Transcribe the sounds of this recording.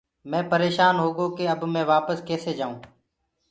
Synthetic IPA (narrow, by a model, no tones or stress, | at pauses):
mɛ̃ːpəɾeːʃaːnɦoːɠoːkeːəbmẽːʋaːpəskeːseːd͡ʒaːũː